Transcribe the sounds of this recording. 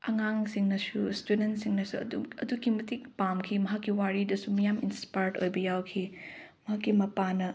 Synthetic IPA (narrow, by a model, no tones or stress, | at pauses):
ɐŋaŋsiŋnɐsustudentsiŋnɐsuɐ̰duɐ̰dukimɐtik̚pamkʰimɐɦakːiwaɾidɐsumɐjaminspajɾdo̰jbɐjawkʰimɐɦakːimɐpanɐ